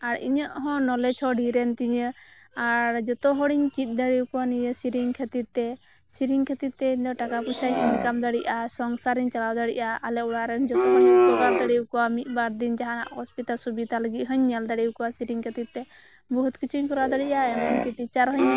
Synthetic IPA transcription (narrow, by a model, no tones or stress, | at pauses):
aɾḭɲɔʔɦɔ̃nɔlɛd͡ʒʰɔɖiɾɛnt̪iɲə | aɾd͡ʒɔt̪ɔɦɔɽiɲt͡ʃit̪̚ˀd̪əɽikɔwanijəsiɾiŋkʰɛt̪it̪̚ːɛ | siɾiŋkʰɛt̪it̪̚ːɛiɲd̪ɔʈakaput͡ʃʰajiɲkamd̪aɽiʔasɔŋsaɾiɲt͡ʃalawd̪aɽḭʔaːlɛuɽaɾɛnd͡ʒɔt̪ɔɦɔlpɔɡaɾd̪əɽiukɔwamiʔ̪̚ˀbaɾd̪ind͡ʒaɦana̰ʔɔspit̪alsubit̪aləɡiʔ̚ɦəɲːɛld̪aɽiukɔwasiɾiŋkʰɛt̪it̪̚ːɛ | bɔɦut̪kit͡ʃʰuɲkɔɾad̪əɽiʔaɛmɛnkit̪it͡ʃaɾɦɔɲ